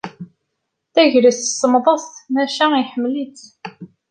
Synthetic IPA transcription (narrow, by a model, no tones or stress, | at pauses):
θæʝɾissəmðˤɑsmæʃæiħəmːlit͡s